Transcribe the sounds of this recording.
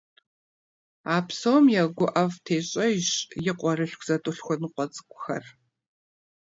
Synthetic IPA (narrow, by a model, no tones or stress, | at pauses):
aːpʰsɐwmjɛɡʷʊʔɐvtʰeːɕʼɐɪɕjɪqʷʼɔrɨɬkʷʰz̥ɐtʼʊɬxʷɔnɨqʷɔt͡sʼɨ̥kʷʼʊxɐr